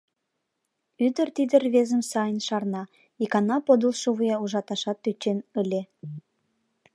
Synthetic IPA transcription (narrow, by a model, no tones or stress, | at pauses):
yd̪ə̆rt̪id̪ərβezə̆msɑjənʃɑrnɑ | ikɑnɑpod̪ulʃuβujɑuʒɑt̪ɑʃɑt̪ːyt͡ɕenəlʲe